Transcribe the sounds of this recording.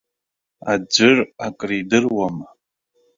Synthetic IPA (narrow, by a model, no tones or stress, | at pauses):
ad͡ʒʷɨrakʼridɨrwam